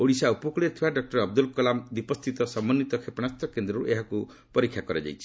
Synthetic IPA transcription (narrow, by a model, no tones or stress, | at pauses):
oɽisaupɔkɽeɾt̪ʰibaɖɔk̚ʈɔɾɔb̚d̪ulkɔlamd̪ipɔst̪ʰit̪ɔsɔmːɔnːit̪ɔkʰepnast̪ʰɔkend̪ɾɔɾṵʔeɦaku | pɔɾikʰjakɔɾed͡ʒa̰jt͡ʃʰi̥